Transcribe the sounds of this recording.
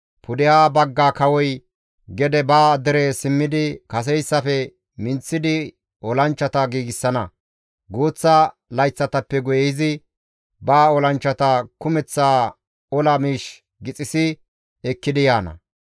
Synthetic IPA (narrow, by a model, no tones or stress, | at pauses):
pʊd̪ɪjaːbɐɡːaːkɐwɔj | ɡɛd̪ɛbaːd̪ɛɾeːsɪmːɪd̪ɪkɐs̬ɛjsːɐfɛ | mɪnt͡sːɪd̪ɪ | ɔlɐnt͡ʃːɐt̪ɐɡiːɡɪsːɐnɐ | ɡoːt͡sːɐ | lɐjt͡sːɐt̪ɐpːɛɡʊjɛjɪzɪ | baːɔlɐnt͡ʃːɐt̪ɐkʊmɛt͡sːaː | ɔlɐmiːʃ | ɡɪt͡sʼɪsɪ | ɛkːɪd̪ɪjaːnɐ̰